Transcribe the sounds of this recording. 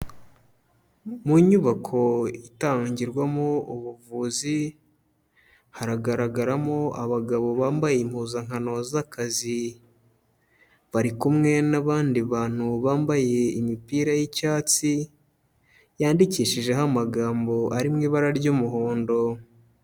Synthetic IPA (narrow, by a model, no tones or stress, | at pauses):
muɲuβakʰo̞itaːɲɟiɾɡwamouβuvuːzi | haɾaɡaɾaɡaɾamoaβaɡaβo̞βaːmbaje̞im̥huːzaŋhano̞zakazi | βaɾikumŋe̞naβaːndiβaːn̥huβaːmbaje̞imipiːɾajicaːt͡si | jaːndiciːʃiʒe̞ɦamaɡaːmbo̞ʔaɾimŋiːβaɾaɾɟumuɦoːndo̞